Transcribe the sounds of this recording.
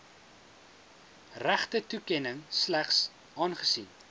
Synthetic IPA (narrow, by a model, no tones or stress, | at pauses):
ræχtətukɛnəŋslæχs | ɑːnχə̥sin